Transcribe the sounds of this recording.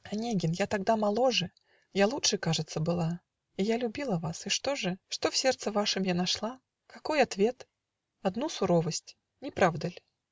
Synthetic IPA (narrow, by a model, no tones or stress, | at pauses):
ɐnʲeɡʲɪnjat̪ɐɡd̪amɐlˠoʐɨ | jalˠutʂɨkaʐɨt̪sːəbɨlˠa | ijalʲʊbʲilˠəvasɨʂt̪o̞ʐɨʂt̪ofsʲe̞rt̪sɨvaʂɨmjanɐʂlˠa | kɐko̞jɐt̪vʲe̞t̪ | ɐd̪nusʊɾovəsʲtʲ | nʲɪpɾavd̪əlʲ